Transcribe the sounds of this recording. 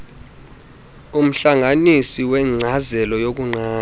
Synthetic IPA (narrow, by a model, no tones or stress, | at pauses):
um̩ɬaŋanisiwɛŋ͡ǀʱazɛlɔjok̬uŋ͡ǀaː